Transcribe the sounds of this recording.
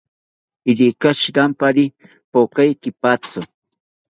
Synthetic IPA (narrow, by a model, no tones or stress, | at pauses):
ɪɾikaʃɾampaɾi | pokajkɪpat͡sʊ